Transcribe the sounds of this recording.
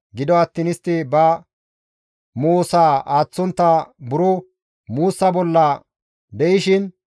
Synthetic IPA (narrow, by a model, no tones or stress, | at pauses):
ɡɪd̪ɔɐt̪ːinɪst̪ːɪbɐ | moːsaːaːt͡sːɔnt̪ːɐbʊɾʊ | muːsːɐbɔlːɐ | d̪ɛʔɪʃɪn